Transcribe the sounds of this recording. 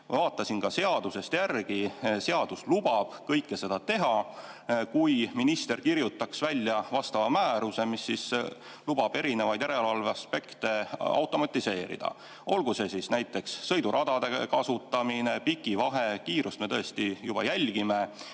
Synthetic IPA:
vɑːt̪ˑːɑsinkɑse̞ɑd̪̥use̞st̪jærɡ̥ise̞ɑd̪̥uslub̥ɑb̥kɤjkːe̞se̞d̪̥ɑt̪e̞ɦɑ | kujminist̪e̞rkirjut̪ːˑɑksvælʲːjɑvɑst̪ɑvɑmæːɾuse̞misːis | lub̥ɑb̥e̞ɾine̞vɑjd̪̥jæɾe̞lvɑlveɑspe̞kt̪e̞ɑ̰wt̪ˑo̞mɑt̪ʲːˑise̞ːɾḭd̪̥ɑ̰ | o̞lɡ̥use̞sisnæjt̪ːˑe̞ksːɤ̞jd̪uɾʔɑd̪̥ɑd̪̥e̞kɑsut̪ːˑɑmine̞pikːˑivɑɦe̞kiːɾust̪me̞t̪ɤest̪ijub̥ɑ̰jælʲɡ̥ime̞

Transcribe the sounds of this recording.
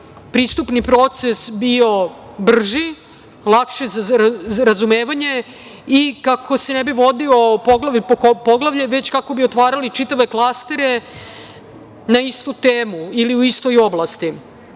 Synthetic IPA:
pɾiːst̪upnipɾo̞t̪se̞sbio̞ | br̩ʒi | lˠakʃezaɾazume̞ːʋaɲe̞ | ikakʰo̞se̞nebiʋo̞d̪io̞poɡlaʋppoɡlˠaʋʎeʋe̞t͡ɕkako̞bio̞t̪ʋaːɾalit͡ʃit̪aʋe̞klˠast̪eɾe̞ | naist̪ut̪eːmuiliuist̪o̞jo̞blˠast̪i

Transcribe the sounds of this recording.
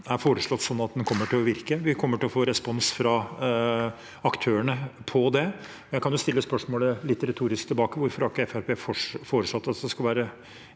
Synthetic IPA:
æɾfoːɾəʂɭɔt̪ːsɔnːɑt̪̚d̪ɛnkʰɔmːəʈʰɪlɔʋɪɾkəʋɪkʰɔmːəʈɪlɔfoːɾɛspɔnsfɾɑ | ɑkt̪ʰøːəɳəpʰɔd̪ɛ | ɔjæɪkʰɑnjʊst̪ɪlːəspœʂmoːləlɪt̪ːɾɛt̪ʰuːɾɪskt̪ʰɪlbɑːkəʋʊɾfɔɾhɑɾkːəɛfæɾpʰeːffoːɾəʂlɔt̪ːɑt̪d̪ɛskɑlʋæːɾə

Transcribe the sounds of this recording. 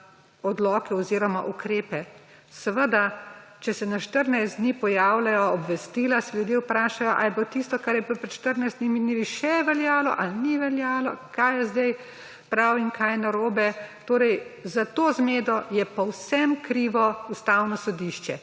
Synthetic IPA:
ɔd̪lɔːkɛɔziːɾɔmaʔukɾeːpɛ | səʋəd̪at͡ʃɛsɛnaʃt̪əɾnajzd̪niːpɔjaːwlajɔɔbʋɛst̪iːlasɛljud̪jeʊpɾaːʃajɔʔa̰ɛbot̪ist̪ɔkaɾjɛpopɾɛt̪ʃt̪əɾnajzd̪nimid̪niliʃɛʋɛljaːlɔ̰ʔalniʋɛljaːlɔkajɛzd̪ɛj | pɾawinkʰajnaɾoːbɛt̪oːɾɛjzat̪oːzmeːd̪ɔjɛpɔwsɛmkɾiʋɔust̪awnɔsɔd̪iʃt͡ʃɛ

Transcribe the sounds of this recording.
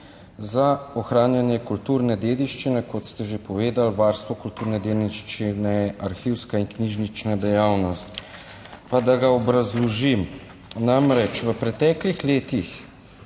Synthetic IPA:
zaɔxɾaːnjanjɛkult̪uːɾnɛd̪eːd̪iʃt͡ʃinɛkɔt̪st̪ɛʒepɔʋeːd̪alʋaːɾst̪ʋɔkult̪uːɾnɛd̪eːlniʃt͡ʃinɛaɾxiwskaiŋkniʒnit͡ʃnad̪ɛjaːwnɔst̪ | pad̪aɡaɔbɾazlɔʒim | namɾɛt͡ʃʋəpɾɛt̪ɛːklixleːt̪ix

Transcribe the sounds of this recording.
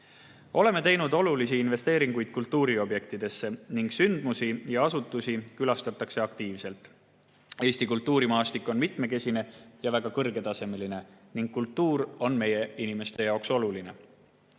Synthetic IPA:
o̞le̞me̞t̪e̞jnud̪o̞lulisiinve̞st̪e̞ːɾiŋɡ̥ujd̪̥̚kult̪ːuːɾio̞bje̞kt̪id̪̥e̞sːe̞niŋɡ̥synd̪musijɑɑsut̪ːˑusikylɑst̪ɑt̪ːˑɑkse̞ɑkt̪iːvse̞lt̪ˑ | e̞ːsʲt̪ikult̪ːˑuːɾimɑːst̪ikːˑo̞nmit̪me̞ke̞sine̞jɑvæɡ̥ɑkɤrɡe̞t̪ɑse̞me̞line̞niŋɡ̥kːult̪ːuːɾo̞nme̞je̞inime̞st̪e̞jɑokso̞luline̞̰

